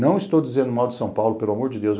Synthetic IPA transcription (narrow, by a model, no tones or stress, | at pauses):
nɐ̃w̃ɪst̪owd͡ʒizẽnd̪ʊmawd͡ʒ̪ɪsɐ̃w̃pawlʊpelʊamoɾd͡ʒɪd̪ewz